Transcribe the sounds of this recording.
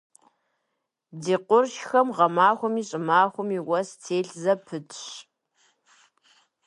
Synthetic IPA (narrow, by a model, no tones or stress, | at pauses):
diːqʷʊrʃxɐmʁɐmaːxʷʊmiːɕʼɪmaːxʷʊmiːwɐst͡sʰeːɬzɐpʰɨtʰʼɕ